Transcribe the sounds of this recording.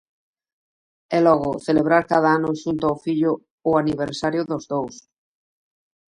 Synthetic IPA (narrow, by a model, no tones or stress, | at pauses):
ɛlɔɣʊθeleβ̞ɾaɾkað̞aanʊʃunt̪ʊaofiʎʊː | aniβ̞eɾsaɾjʊðʊzðows